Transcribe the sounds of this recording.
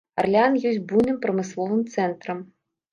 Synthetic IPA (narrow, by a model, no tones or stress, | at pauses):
ɐrlʲanjɔsʲbunɨmpɾɐmɨslˠɔvɨmt̪sɛnt̪ɾɐm